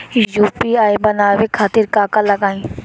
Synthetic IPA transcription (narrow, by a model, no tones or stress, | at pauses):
juːpiaːjbɐnaːʋekʰaːt̪ɪɾkaːkalɐɡaːĩ